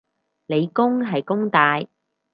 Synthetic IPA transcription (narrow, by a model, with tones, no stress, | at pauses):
le˨˧jkʊ˥ŋɦɐ˨jkʊ˥ŋt̪aː˧j